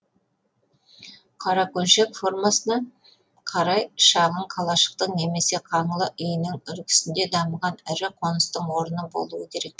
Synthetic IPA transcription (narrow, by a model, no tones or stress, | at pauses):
qʰɑɾɑkɵnʃe̞kfo̞rmɑsənɑ | qʰɑɾɑjʃɑʁəɴqʰɑlˠɑʃə̥q̚t̪əɴne̞me̞se̞qʰɑɴəlˠəʔʏjɪnɪŋʏɾkʲɪ̥sɪnd̪e̞d̪ɑməʁɑnɪɾɪqʰo̞nəst̪əɴwo̞ɾənəbo̞̰lˠuwəkʲʰe̞ɾe̞k̚